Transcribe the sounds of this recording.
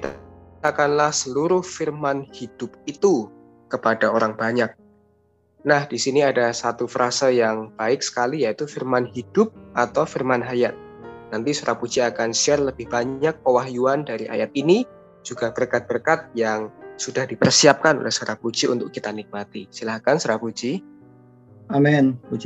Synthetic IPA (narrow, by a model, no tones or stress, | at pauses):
kit̪akanlahsəluɾʊhfirmanhid̥ʊp̚it̪u | kəpadaoɾaŋbaɲak̚ | nahd̥isiniadasat̪ufəɾʔasajaŋb̥aɪk̚sə̥kalijait̪ufirmanɦid̥ʊp̚ʔat̪awfirmanɦajat̪̚ | nant̪isoɾapud͡ʒiakansiarləbɪhb̥aɲak̚powaɦjuandaɾiʔa̰jat̪̚ini | d͡ʒuɡab̥ərkat̪̚b̥ərkat̪̚jaŋsudahdipərsiap̚kano̰lɛ̰hsəɾahpud͡ʒiṵnt̪ʊkːit̪anɪk̚mat̪isilahkansəɾapud͡ʒi | amɛnud͡ʒ